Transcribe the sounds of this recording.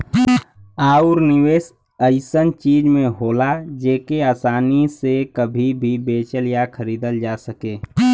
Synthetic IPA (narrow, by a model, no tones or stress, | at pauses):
aːuɾnɪweːs | əɪsənt͡ʃiːd͡ʒmẽɦoːlad͡ʒeːkeaːsaːnisekəbʱibʱibeːt͡ʃəljakʰəɾiːd̪əld͡ʒasəkeː